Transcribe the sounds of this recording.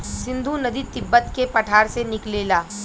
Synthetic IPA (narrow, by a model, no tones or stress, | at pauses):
sɪ̃nd̪ʱunɐd̪it̪ɪbːət̪kepɐʈʰaːɾsenɪkleːlaː